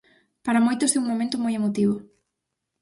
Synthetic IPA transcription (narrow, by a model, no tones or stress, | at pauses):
paɾamojt̪osɛuŋmomẽnt̪ʊmojemot̪iβ̞ʊ